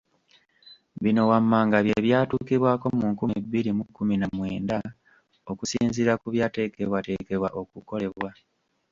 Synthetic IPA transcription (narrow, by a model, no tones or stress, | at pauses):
βino̞wamːaːŋɡaβjeβjaːtuːkiβwaːko̞muːŋkumiβːiɾimukːuminamwḛːnda | o̞kusiːnziɾakuβjaːte̞ːke̞βwate̞ke̞βwaʔo̞kuko̞le̞wa